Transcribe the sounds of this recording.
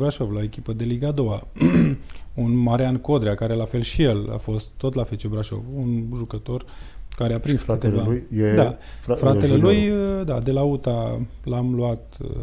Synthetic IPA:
bɾaʃo̞vlaoekʲipəd̪e̞liɡad̪o̞wa | unmaɾeanko̞d̪ɾeakaɾe̞lafe̞lʃije̞la̰fo̞st̪ːo̞t̪lafet͡ʃebɾaʃo̞̰vunʒukət̪o̞r | kaɾeapɾinst̪eaed̪a | fɾat̪ele̞lujəd̪ad̪e̞laut̪a | lamluat̪

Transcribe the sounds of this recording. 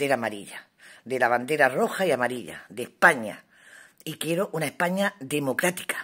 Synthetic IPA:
eɾamaɾiʎa | d̪e̞laβand̪e̞ɾaro̞xaiamaɾiʎa̰d̪e̞hpaɲa̰ | ikje̞ɾoʔunaehpaɲaðe̞mo̞kɾat̪i̥kḁ

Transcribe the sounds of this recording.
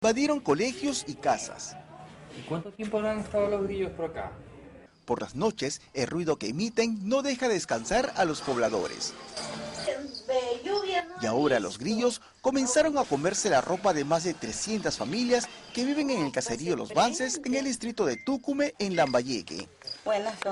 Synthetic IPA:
baðjeɾo̞ŋko̞le̞xjo̞sikasa̰sikwant̪ot̪jemponaŋest̪aðolozɣɾiʝospoɾaka̰ | po̞ɾla̰zno̞t͡ʃe̞selrwiðo̞ke̞ːmit̪e̞ŋno̞ðe̞xaðeskansaɾalo̞spo̞β̞laðo̞̰ɾḛs | iao̞ɾalo̞̰zɣɾiʝo̞s | ko̞mẽ̞nsaɾo̞ŋako̞me̞ɾse̞larʔo̞paðe̞mazðe̞t̪ɾe̞sje̞nt̪asfamiljaske̞βiβ̞e̞ŋeŋe̞lkase̞ɾio̞lo̞zβanse̞seŋe̞ld̪ist̪ɾit̪oðe̞t̪ukume̞ʔenlambaʝekḛ

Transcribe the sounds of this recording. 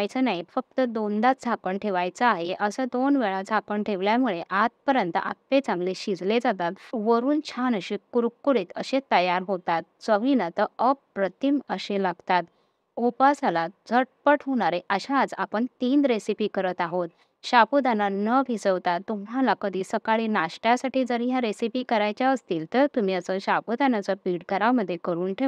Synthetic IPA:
ajt͡sənaifək̚t̪əd̪ond̪at̪d͡zʱakəɳʈʰeʋajt͡saːɦeʔəsəd̪onʋeɭad͡zʱakəɳʈʰeʋljamuɭeʔat̪̚pəɾjənt̪əa̰pːet͡sãŋɡleɕid͡zled͡zat̪at̪ʋəɾuːnt͡ɕʰanəɕikuɾukːuɽet̪əɕet̪əjaɾɦot̪at̪̚t͡səʋinət̪əəpːɾət̪iməɕelaɡt̪at̪ | upasalad͡zəʈ̚pəʈʰɦoɽ̃aɾeʔəɕãːd͡za̰pəɳt̪iːnd̪ɾesipiːkəɾət̪aɦot̪ | ɕapud̪ananəbʱisəʋt̪at̪ːumɦalakəd̪ʱisəkaɭinaɕʈjasaʈʰiːd͡zəɾjaɾesipiːkəɾajt͡ɕjaəst̪iːlt̪əɾt̪um̤iəsəɕapud̪anat͡sapiɽkəɾaməd̪ʱːjekəɾuːnʈʰe

